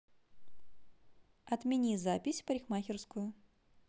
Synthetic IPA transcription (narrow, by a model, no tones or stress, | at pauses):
ɐt̪mʲinʲizapʲisʲpɐɾʲixmaxʲɪrskʊjʊ